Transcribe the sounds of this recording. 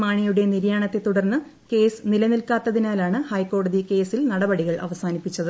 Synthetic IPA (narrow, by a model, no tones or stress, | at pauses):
maːɳijuɽe̞niɾjaːɳɐt̪ːe̞t̪uɽɐrnːɨ | ke̞ːsɨnilɐnilkaːt̪ːɐðinaːlaːɳɨhɐjkːo̞ːɽɐðike̞ːsilnɐɽɐbɐɽiɣɐɭʔɐ̰ʋɐsaːnipːit͡ɕːɐðɨ